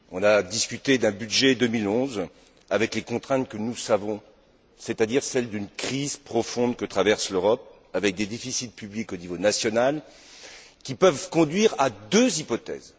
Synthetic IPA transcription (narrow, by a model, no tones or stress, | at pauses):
ɔ̃nad̪iskʲyt̪ed̪ɛ̃byd̪ʒɛd̪əmilɔ̃z | avɛklekɔ̃t̪χɛ̃t̪kənusavɔ̃ | set̪ad̪iʁsɛld̪ynkχizpχɔfɔ̃d̪kət̪χavɛʁsløʁɔp̚ | avɛk̚d̪ed̪efisit̪̚pyblikonivonasjɔnal | kʲipœvkɔ̃d̪ɥiʁad̪øzipɔt̪ɛ̰z